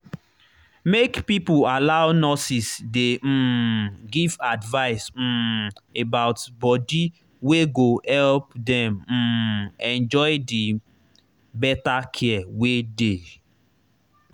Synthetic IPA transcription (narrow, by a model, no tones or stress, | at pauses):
mekpipualaʊnɔsisdeɡivadvaɪs̩ebaʊtbɔdi | weɡohɛlpdɛ̃m̩ɛ̃nd͡ʒɔɪdi | bɛtakʰɛawede